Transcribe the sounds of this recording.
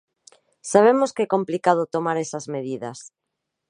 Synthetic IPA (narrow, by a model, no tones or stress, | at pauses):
saβ̞emoskɛkomplikað̞ot̪omaɾesazmeð̞iðas